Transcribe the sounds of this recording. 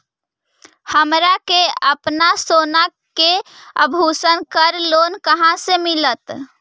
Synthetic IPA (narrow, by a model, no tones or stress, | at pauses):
həmɾakeəpnasonakeəbʱusənkəɾlonkəɦãsemilət̪